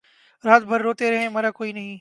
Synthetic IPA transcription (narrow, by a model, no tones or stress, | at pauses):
ɾaːt̪̚bʱɐɾːoːt̪eɾɐɦẽmɐɾakoːinɐɦĩ